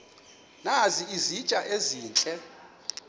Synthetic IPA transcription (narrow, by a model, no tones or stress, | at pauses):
naziizi̥t͡ʃʼaʔeziːnt͡ɬʼɛ